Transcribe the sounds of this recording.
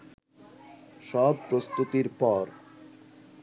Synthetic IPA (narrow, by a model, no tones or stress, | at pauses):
ʃɔb̚pɾost̪ut̪iɾpɔɾ